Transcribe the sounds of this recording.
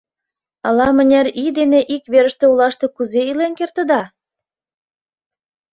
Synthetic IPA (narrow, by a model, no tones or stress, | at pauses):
ɑlɑmə̆nʲæɾid̪eneʔikβeɾə̆ʃt̪ĕulɑʃt̪e̽kuzeilenkert̪ə̆d̪ɑ